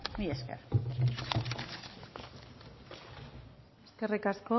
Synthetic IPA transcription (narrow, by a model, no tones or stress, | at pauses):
mieskḛr | eskerikasko